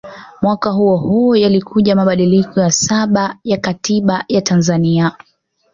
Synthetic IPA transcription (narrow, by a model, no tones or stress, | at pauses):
mwakahuɔhuɔjalikʰuʄamaɓaɗilikɔjasaɓajakatiɓajatanzania